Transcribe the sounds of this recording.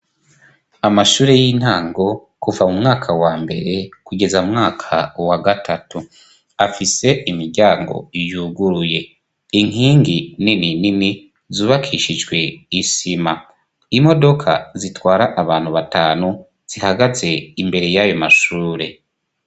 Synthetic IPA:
amaʃuːɾe̞jin̥haːŋɡo̞ | kuvamumŋaːkʰawaːmbe̞̰ɾe̞kuɡe̞zaumŋaːkʰawaɡatʰatu | afise̞ʔimiɾɟaːŋɡo̞̰ijuɡuɾuje̞ | iŋiːŋɡinininini | zuːβakʰiʃid͡ʒɡwe̞isima | imo̞do̞kʰa̰zitwaːɾaʔaβaːnhuβataːnu | z̥ihaɡaze̞imbe̞ɾe̞jajo̞maʃuːɾe̞

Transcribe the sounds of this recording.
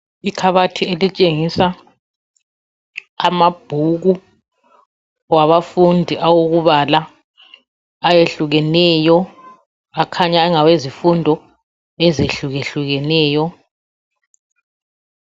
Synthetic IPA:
ikʰaβatʰielit͡ʃʼeŋisa | mab̥ʱuɣu | waβafundʱiʔawoɣuβala | jeɬuɣɛnɛjɔ | akʰaɲaɛŋawezifundʱɔ | ɛzeɬuɣeɬuɣɛnɛːjɔ

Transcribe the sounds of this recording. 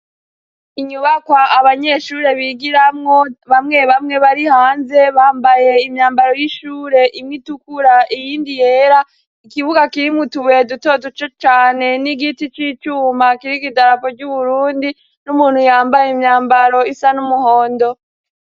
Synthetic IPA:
iɲuβakwaaβaɲe̞ʃuɾe̞βiɡiɾamŋo̞βamŋe̞βamŋe̞βaɾihaːnze̞βaːmbaje̞imɲaːmbaɾo̞jiʃuːɾe̞ʔimŋitukuɾaʔijiːndije̞ɾa | ikiβuɡakiɾimŋutuβeduto̞dut͡ʃot͡ʃaːne̞niɡitit͡ʃit͡ʃuːmakiɾikidaɾapoɾɟuβuɾuːndi | numuːn̥hujaːmbajimɲaːmbaɾo̞isanumuhoːndo̞

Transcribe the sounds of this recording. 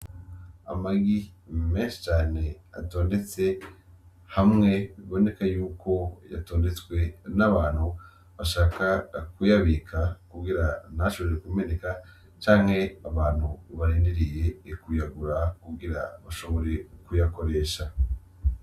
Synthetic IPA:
a̰maɡime̞ːnʃi̥t͡ʃaːne̞a̰to̞ːnde̞t͡se̞ | hamŋe̞βiβo̞ne̞kajuːkʰo̞ja̰to̞ːnde̞t͡swe̞naβaːn̥hu | βaʃaːkakujaβikʰakuɡiɾanaʃoβo̞ɾekume̞neka | t͡ʃaːŋhe̞aβaːn̥huβaɾiːndeɾije̞ːkujaɡuɾakuɡiɾa̰βaʃo̞βo̞ɾe̞kujako̞ɾe̞ːʃa

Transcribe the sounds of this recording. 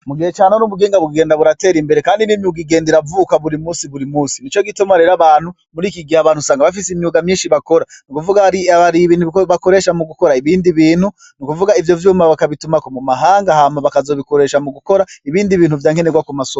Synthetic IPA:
muɡihet͡ʃaːnonuβuɡeːŋɡaβuɡiɡe̞ːndaβuɾate̞ːɾimbe̞ɾekaːndiniːmiuɡiɡe̞ːndeɾavuːkaβuɾimuːsiβuɾimuːsinit͡ʃo̞ɡitumaɾe̞ɾaβaːn̥hu | muɾiːkiɡiaβaːnhusaːŋɡaβafisimjuɡamɲiːnʃiβako̞ɾanikuvuɡaiaβaɾiβiːnhuβako̞ɾe̞ːʃamuɡuko̞ɾaiβiːndiβiːnhu | nikuvuɡaivjo̞vjuːmaβakaβitumakomumaɦaːŋɡahamaβakazo̞βiko̞ɾe̞ːʃamuɡuko̞ɾaiβiːndiβiːn̥huvjaːŋe̞neɡwakumaso

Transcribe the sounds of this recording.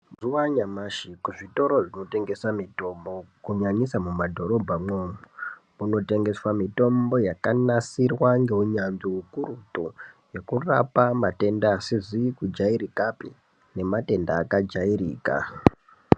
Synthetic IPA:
zuwaɲamaʃikuʐito̞ɾo̞ʐino̞te̞ŋɡe̞samito̞mbo̞kuɲaɲisamumadʱo̞ɾo̞bʱamomu | muno̞te̞ŋɡe̞swamito̞mbo̞jakanasirwaŋɡe̞uɲanziukuɾutu | je̞kurapamate̞ndaːsizikud͡ʒaiɾikapḭ | ne̞mate̞ndaːkad͡ʒairḭːka̰

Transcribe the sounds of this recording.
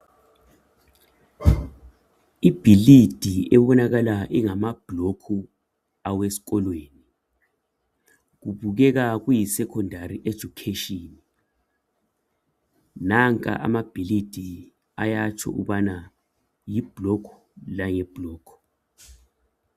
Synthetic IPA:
ib̥ʱilid̥ʱiɛβɔnaɣalaʔɛŋamab̥ʱlokʰu | awesi̥ɣɔlweːni | ɣuβuɣɛɣaɣujisɛkʰɔndʱariʔed̥ʒ̥ʱukʰeʃɔːni | naŋkʼa̰ʔa̰mab̥ʱilid̥ʱi | a̰jat͡ʃʰɔ̰ʔṵβana | jib̥ʱlɔkʰɔ̥ | laŋɛb̥ʱlɔːkʰɔ̥

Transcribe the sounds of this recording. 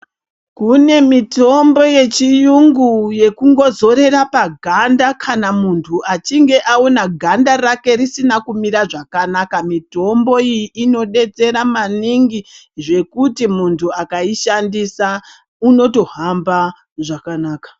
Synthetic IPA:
kune̞mito̞mbo̞je̞t͡ʃijuŋɡuje̞kuŋɡo̞zo̞ɾe̞ɾapaɡʱandakʰanamuntʰuat͡ʃiŋɡe̞ʔaonaɡʱandaɾake̞ɾisinakumiɾaʐakanakamito̞mbo̞ijiʔino̞ɗe̞t͡se̞ɾamaniŋɡi | ʐe̞kutimuntʰuakaiʃandisa | uno̞to̞ɦamba | ʐakanaːkḁ

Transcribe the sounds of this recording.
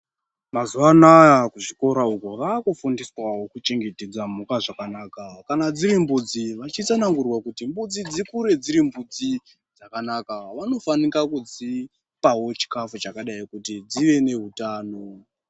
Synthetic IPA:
mazuʋanajakuʐiko̞ɾaukoʋakufundiswawo̞kut͡ʃe̞ŋɡe̞te̞d͡zamukaʐakanaːkakanad͡ziɾimbud͡ziʋat͡ʃit͡sanaŋɡurwakutimbud͡zid͡zikuɾe̞d͡ziɾimbud͡zi | d͡zakanakaʋano̞fanikakud͡zi | pawo̞t͡ʃi̥kafut͡ʃakaɗaikutid͡ziʋe̞ne̞ɦutaːno

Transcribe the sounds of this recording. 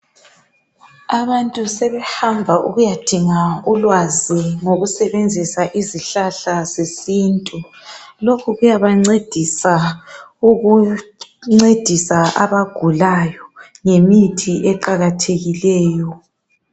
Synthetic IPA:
aβantʼusɛβɛhambʱaʔṵɣujad̥ʱiŋaulwaziŋoɣusɛβend͡zʱisaʔiziɬaɬazesiːntʼu | lokʰuɣujaβaŋ͡ǀed̥ʱisa | uɣu | ŋ͡ǀed̥ʱisaʔa̰βaɡ̥ʱulajɔ | ŋemitʰiʔɛǃaɣatʰeɣilɛːjɔ

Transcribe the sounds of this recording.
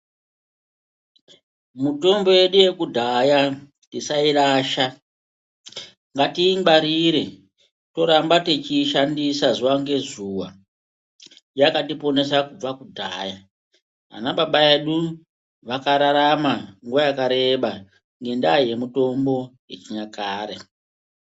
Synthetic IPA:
muto̞mbo̞je̞ɗuje̞kudʱaja | tisairaːʃa | ŋɡatimbaɾiɾe̞ | to̞ɾambate̞t͡ʃiʃandisazuwaŋɡe̞zuːwa̰ | jakatipo̞ne̞sakub͡vakudʱa̰ːja | a̰naɓaɓaeɗu | ʋakaɾaɾamaŋɡuʋajakaɾe̞ɓa | ŋɡe̞ndaje̞muto̞mbo̞jet͡ʃiɲakaːɾe

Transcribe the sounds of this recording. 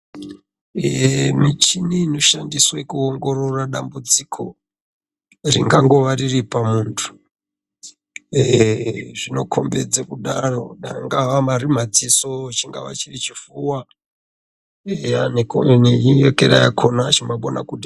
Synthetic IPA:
mit͡ʃiniːno̞ʃandiswekuoŋɡo̞ro̞raɗambud͡zikʰo̞ | rḭŋɡaŋɡo̞ʋariripamuːntʰu̥ | ʐino̞kʰo̞mbe̞d͡zekuɗaro̞ɗa̰ŋɡaʋamaɾim̤ad͡ziso̞t͡ʃiŋɡa̰ʋa̰t͡ʃirit͡ʃifuwa | aneijekeɗa̰jakʰo̞nat͡ʃimbaɓona̰kuɗa

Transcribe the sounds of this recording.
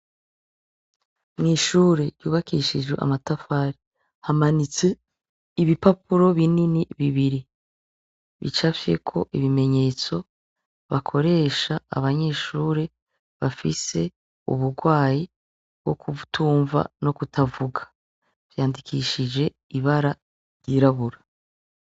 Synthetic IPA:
mŋiːʃuːɾe̞ɾuːβakiʃid͡ʒɡweʔa̰matafaɾi | hamanit͡se̞ | iβipapuɾo̞βininiβiβiɾi | βḭt͡ʃafje̞̰kʰo̞̰ʔiβime̞ɲe̞ːt͡so̞ | βakʰo̞ɾe̞ːʃa̰ːβaɲe̞ːʃuːɾe̞ | βafise̞ | ṵβuɾɡwaːji | b̥̚ɡ̥o̞̰kʰutuːɱva̰no̞kutʰavuɡḁ | v̥jaːndikʰiʃid͡ʒe̞ | iβaɾa | ɾɟiɾaβuɾa

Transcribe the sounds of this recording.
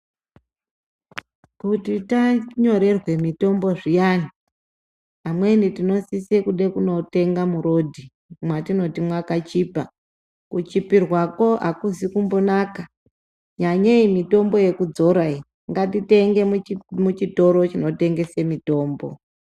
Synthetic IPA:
kutitaɲo̞ɾe̞rwe̞mito̞mbo̞ʐijani | ɦamwe̞nitino̞sisekuɗe̞kuno̞te̞ŋɡamuɾo̞dʱi | mwatino̞timwakat͡ʃiːpa | kut͡ʃipirwako̞ʔakuzikumbo̞naka | ɲaɲeimito̞mbo̞je̞kud͡zo̞ɾai | ŋɡatite̞ŋɡe̞mmut͡ʃito̞ɾo̞t͡ʃino̞te̞ŋɡe̞se̞mito̞ːmbo̞̰

